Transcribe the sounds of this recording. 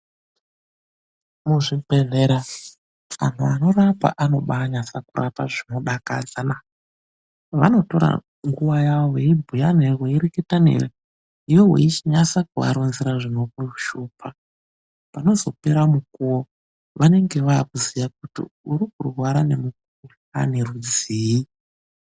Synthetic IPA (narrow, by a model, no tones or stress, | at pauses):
muʐipeneɾa | ʋa̰n̤uano̞rapa̰ʔano̞ɓaːɲasakura̰pa̰ʐino̞ɗaka̰d͡zana | ʋa̰no̞to̞ɾa̰ | ŋɡuʋajaʋoʋeibʱujanerweiɾeketanḛre | iwoɦwḛit͡ʃiɲasakuʋa̰ɾonziɾaʐino̞kuruʃuːpʰa | pano̞zo̞pe̞ɾamukuwo | ʋane̞ŋɡe̞ʋaːkuzijak̚utḭuɾikurwaɾane̞muk̚uu | a̰nerud͡ziːi